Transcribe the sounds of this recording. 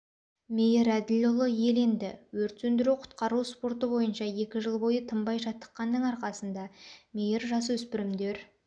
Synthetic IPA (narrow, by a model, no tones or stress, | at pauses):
mʲejeɾæd̪ɪlʲolˠəje̞le̞nd̪ɪwɵɾt̪sɵnd̪ɪɾuqʰʊ̥t̪qɑɾuspo̞ɾt̪əbo̞jənʃɑe̞kʲɪʒəlˠbo̞jət̪ʰəmbɑjʒɑt̪ːə̥qːɑnːəɴɑɾqɑsənd̪ɑmʲe̞jeɾʒɑs̬wɵspɪɾɪmd̪e̞ɾ